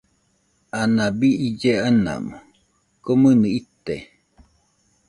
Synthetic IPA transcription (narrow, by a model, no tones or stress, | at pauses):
anabiid͡ʒeana̰mo | komɨnɨit̪e